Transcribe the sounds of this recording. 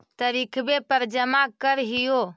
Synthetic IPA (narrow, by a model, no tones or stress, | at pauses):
t̪əɾikʰbepəɾd͡ʒəmakəɾɦijo